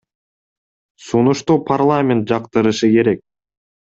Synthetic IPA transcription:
sunuʃt̪uːpʰarlˠamʲent̪̚d͡ʒɑqt̪ɯɾɯʃɯke̞ɾe̞k̚

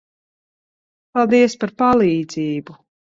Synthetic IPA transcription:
palˠd̪iɛspaɾpalˠiːd̪ziːbu

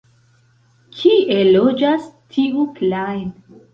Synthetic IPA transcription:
kʰiʔelod͡ʒastʰiʔuklajn

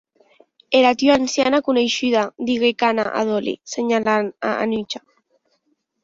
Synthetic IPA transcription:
eɾat̪joansjanakunejʃyðad̪iɣekana̰ʔa̰ðolḭseɲalana̰a̰nyt͡ʃa

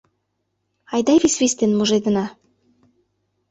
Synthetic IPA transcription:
ɑjd̪ɑβisβʲist̪enmuʒed̪ə̆nɑ

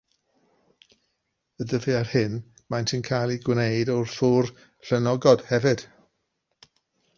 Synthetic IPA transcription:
ədəviarhɪn | majntʰinkʰajlˠiɡwnejdɔrθuːr | ɬɛnɔɡɔd̥hɛvɪd̥

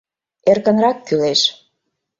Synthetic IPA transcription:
erkə̆nɾɑkːyleʃ

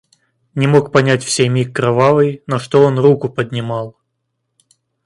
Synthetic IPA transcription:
nʲɪmo̞kpɐnʲætʲfsʲejmʲikːɾɐvavɨjnoʂt̪oonrukʊpəd̪ʲnʲɪmɑlˠ

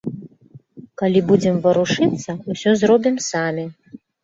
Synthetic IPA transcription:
kalʲibud͡zʲɛmvɐɾuʂɨt̪sːɐusʲɔzrɔbʲimsamʲi

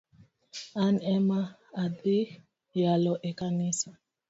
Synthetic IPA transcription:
anɛmaːdi | jalɔʔɛkanisa

